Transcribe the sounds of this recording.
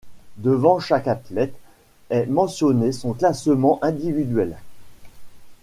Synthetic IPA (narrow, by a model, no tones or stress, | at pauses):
d̪əvɑ̃ʃakat̪lɛt̪ | ɛmɑ̃sjɔnesɔ̃klasəmɑ̃ʔɛ̃d̪ivid̪ɥɛl